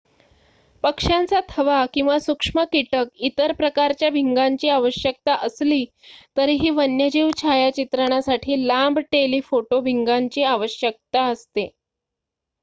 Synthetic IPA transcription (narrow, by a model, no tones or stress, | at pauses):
pəkʂant͡sat̪ʰəʋakĩw̃ʋasukʂməkiʈəkit̪əɾpɾəkaɾt͡ɕjabʱiŋɡaɲt͡ɕiːaʋəɕjək̚t̪aʔəsliː | t̪əɾiːɦiːʋənjəd͡ʑiːʋt͡ɕʰajat͡ɕit̪ɾəɳ̃jasaʈʰiːlambʱʈeliːfoʈobʱiŋɡaɲt͡ɕiːaʋəɕjək̚t̪aəst̪e